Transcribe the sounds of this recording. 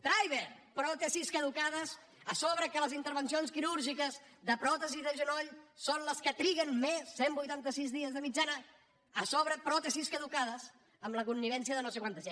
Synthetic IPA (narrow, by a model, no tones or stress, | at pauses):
t̪ɾajβ̞eɾpɾɔt̪esiskəðukaðəs | əsɔβɾəkələzint̪əɾβənsionskiɾuɾʒikəzðəpɾɔt̪əziðəʒənɔʎsonləskət̪ɾiɣənmesːembujt̪ant̪əsizðiəzðəmid͡ʒanə | əsɔβɾəpɾɔt̪esiskəðukaðəz | əmləkunːiβ̞ɛnsiəðənowsekwant̪əze